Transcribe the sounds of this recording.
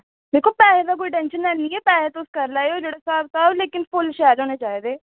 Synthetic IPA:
d̪eːkʰːoːpɛːɦed̪ak̬oːiʈɛ̃nʃənɛːniːɛːpɛːɦet̪oʊskəɾlaːeoːd͡ʒeːɽaːsaːbsaːbleːkɪnfʊlʃɛːlɦoːnet͡ʃaːed̪eː

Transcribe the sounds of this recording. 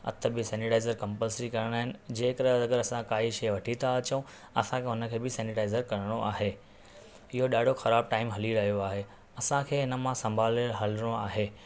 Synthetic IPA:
ɐ̰t̪ʰə̆bɪsɛ̃ːnɪʈaːɪzəɾkɐ̃mpəlsɾikɐɾəɽ̃ɦɪnɪ̆d͡ʑeːkɐɾəzɐɡəɾɐsãkaːiʃɐːʋɐʈʰit̪ʰaɐt͡ɕɐũ | ɐ̰sãkeɦʊnə̆kʰeːbɪsɛ̃ːnɪʈaːɪzəɾkɐɾəɽ̃oʔaːɦeː | ɪɦoɗaːɖʱoxɐɾaːb̚ʈaːɪmɦɐliɾɐɦijoaːɦe | ɐsãkʰeːɦɪnə̆mãsɐ̃mbʱaːlɦɐlɽ̃oaːɦeː

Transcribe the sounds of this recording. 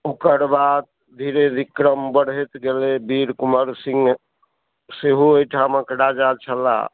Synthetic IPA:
okəɾbad̪̚ | d̪ʱiɾed̪ikɾəmbəɽ̤et̪ɡelebiɾkuməɾsĩŋɡ | seɦuojʈʰaməkɽad͡ʒat͡ʃʰəla̰

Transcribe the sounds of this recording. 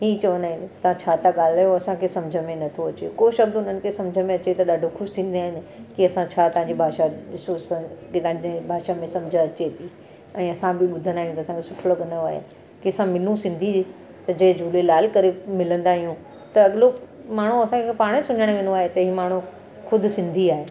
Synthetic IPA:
ɦiːt͡ɕɐʋənd̪aːɦɪnɪ̆t̪ɐʋ̤ãt͡ɕʰaːt̪ʰaɠaːl̤aːjoɐsãkʰesɐmd͡ʑʱəmẽnɐt̪ʰoɐt͡ɕḛkoːʃɐb̚d̪ʊn̤ənɪ̆kʰesɐ̃md͡ʑʱəmẽɐt͡ɕet̪ɐɗaːɖʱoxʰʊʃt̪ʰĩːn̆d̪aːɦɪnɪ̆kiɐsãt͡ɕʰaːt̪ɐɦãɲd͡ʑibʱaːʃaɗɪsosɐkit̪ɐãd͡ʑebʱaːʃamẽsɐmd͡ʑʱəɐt͡ɕet̪ʰiː | ɛ̃ːɐsãbɪɓʊd̪ʱənd̪aːɦijũt̪ɐsãkʰesʊʈʰolɐɠənd̪ajoaːɦḛ | kiɐsãmɪlũsɪ̃nd̪ʱi | t̪ɐd͡ʑɐɦɪ̃d͡ʑʱuːlelaːlkɐɾemɪlə̃nd̪aːɦijũ | t̪ɐɐɠlo | maːɳ̤ũɐsãkʰepaːɽ̃sʊɲəɽ̃ʋẽːnoaːɦet̪ɐiːmaːɳ̤u | xʊd̪ʱʊ̆sɪ̃nd̪ʱiaːɦeː

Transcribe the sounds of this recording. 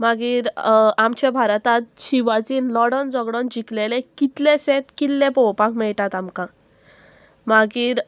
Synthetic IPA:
maɡiːɾamt͡ɕɛ̃bʱaɾt̪at̪ɕiʋad͡ziːnlɔɽɔnd͡zɔɡɽɔnd͡ʑiklelekit̪lẽset̪kilːẽpɔwpakmɛɭʈat̪amkã | maɡiːɾ

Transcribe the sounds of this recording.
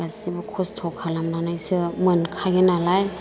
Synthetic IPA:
asibɯkʰɔstʰɔkʰalamnanajsɯmɯnkʰaɡɯnalaj

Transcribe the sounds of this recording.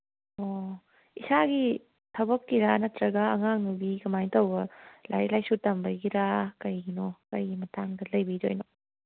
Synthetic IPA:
o | isaɡi | tʰɐbɐkːiɾanɐtɾɐɡɐɐŋaŋubikɐmajtowbɐlʔa̰jɾilajsutɐmbɐjɡiɾakɐjɡinokɐjɡimɐtaŋdɐlɐjbid͡ʒo̰jno

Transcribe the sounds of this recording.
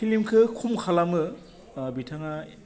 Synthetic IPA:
ilimkʰɯkʰumkʰalamɯ | bitʰaŋa

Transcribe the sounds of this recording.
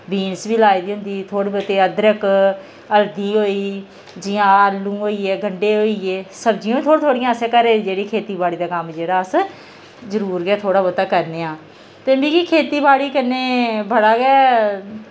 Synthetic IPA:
biːnsbiːlaːid̪iːɦʊ̃nd̪iːt̪ʰoːɽiːbət̪eːəd̪ɾək | əld̪iːɦoːiː | d͡ʒɪjãːəlũːɦoːiːɛːɡʱəɳɖeːɦoːiːeːsəbd͡ʒijõːiːt̪ʰoːɽ̃t̪ʰoːɽɪjãːəsɛːkəɾeːd͡ʒeːɽiːkʰeːt̪iːbaːɽiːd̪aːkəmd͡ʒeːɽaːəs | zəɾuːɾɡɛːt̪ʰoːɽaːbət̪aːkəɾneːãː | t̪eːbiːkikʰeːt̪iːbaːɽiːkənːeːbəɽaːɡɛː

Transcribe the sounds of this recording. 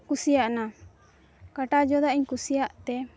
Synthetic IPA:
kusijaʔna | kaʈad͡ʒɔd̪aʔiɲkusijaʔt̪ɛ

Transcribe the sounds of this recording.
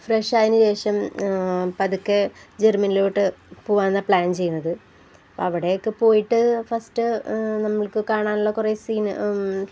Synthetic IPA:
freʂaːjinɨɕe̞ːʂɐm | pɐðukːed͡ʑermɐniloːiʈːɨpoːʋaːnːɐpɭaːnt͡ɕe̞jːunːɐðɨ | ɐpːo̰ɐʋiɽe̞jokːɨpo̞ːjiʈːɨfɐstɨnɐmːɐɭkɨkaːɳaːnuɭːɐkure̞siːn

